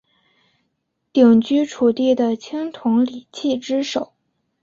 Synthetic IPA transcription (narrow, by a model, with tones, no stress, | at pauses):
t̪i˨˩ŋt͡ɕy˥ʈ͡ʂʰu˨˩t̪i˥˩d̪ə˩t͡ɕʰi˥ŋt̪ʰʊ˧˥ŋli˨˩t͡ɕʰi˥˩ʈ͡ʂɻ̩˥ʂo˨˩˦ʊ